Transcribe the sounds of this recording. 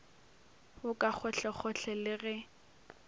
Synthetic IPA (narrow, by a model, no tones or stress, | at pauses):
hʊkʼak͡xʰɔɬɛχʰɔɬʰɛlɪɣɛ